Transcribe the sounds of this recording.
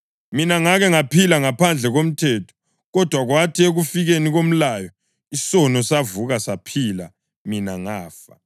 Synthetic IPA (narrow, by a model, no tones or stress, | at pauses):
minaŋaɣɛŋapʰilaŋapʰand͡ɮʱɛɣom̩tʰɛtʰɔ̥ | ɣɔd̥ʱwaɣwatʰieɣufiɣeniɣom̩lajɔ | isɔnɔsavuɣasapʰila | minaŋaːfa̰